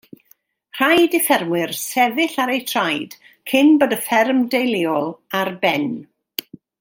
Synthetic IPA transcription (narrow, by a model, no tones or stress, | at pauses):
r̥ajdɪfɛrmwɪrsɛvɪɬaɾejtʰr̥ajd̥ | kʰɪnbədəfɛrmdejlˠɪɔlˠarbɛn